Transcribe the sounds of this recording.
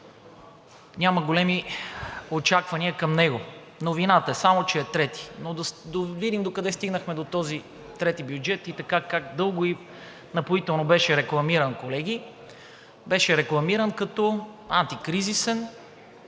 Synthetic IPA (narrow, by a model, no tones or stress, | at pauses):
ɲʲaməɡolɛmi | ot͡ʃakvɐniəkɐmnɛɡo | novinat̪əɛsamot͡ʃɛːt̪ɾɛt̪i̥nod̪ɐd̪ovid̪imd̪okɐd̪ɛst̪iɡnəxmɛd̪ot̪ɔzi | t̪ɾɛt̪ibjud͡ʒɛt̪it̪ɐkakakd̪ɤlˠɡʊi | nɐpoit̪ɛlˠnobɛʃɛɾɛklˠɐmiɾɐnkolɛɡ̟i | bɛʃɛɾɛklˠɐmiɾənkɐt̪ɔant̪ikɾizisɛn